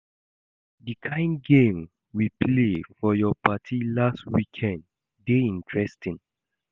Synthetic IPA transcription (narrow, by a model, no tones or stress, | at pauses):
dikʰãɪ̃nɡẽm | wiplefɔjɔpʰatʰilastwikʰɛ̃ndː | eĩntʰɹɛstĩn